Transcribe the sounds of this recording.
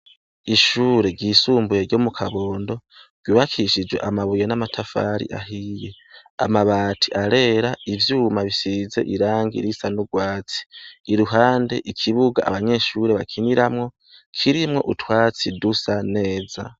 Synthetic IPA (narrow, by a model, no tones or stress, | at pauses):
iʃuːɾe̞ɟiːsuːmbuje̞ɾɟomukʰaβo̞ːndo̞ɾ̥ɡ̥uːβakʰiʃid͡ʒwe̞ʔamaβujonamatʰafa̰ːɾḭʔa̰ɦije̞ | a̰maβaːtʰiʔaɾe̞ːɾaivjuːmaβisize̞̰ʔiɾaːŋɡḭɾisanuɡwaːt͡si̥ːɾuɦaːnde̞ʔikʰiβuɡaʔa̰βaɲe̞ʃuɾe̞βakʰiniɾamŋo̞ | kʰiɾimŋo̞̰ʔutwaːt͡sidusane̞ːza̰